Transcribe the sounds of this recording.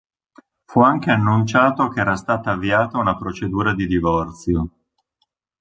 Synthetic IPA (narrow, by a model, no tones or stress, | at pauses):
fuaŋk̟eanːunt͡ʃaːt̪okeɛːɾast̪aːt̪aːvːiaːt̪aunapɾot͡ʃed̪uːɾad̪id̪ivɔrt̪sjo